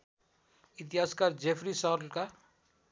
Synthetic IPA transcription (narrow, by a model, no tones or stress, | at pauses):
it̪̬iɦaskaɾd͡ʒepʰɾisɔɾlka